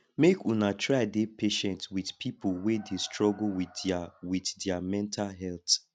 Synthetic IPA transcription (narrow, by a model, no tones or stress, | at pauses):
mekũnatʰɹadepʰeʃɛ̃ntswidpʰipowedestɹɔɡuwiwitdɛamɛ̃ntʰalɦɛlt